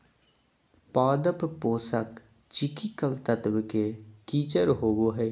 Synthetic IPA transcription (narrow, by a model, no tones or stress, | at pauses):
paːd̪əppoːsək | t͡ʃɪkikəlt̪ət̪ʋkekiːt͡ʃəɾɦoːboːɦɛː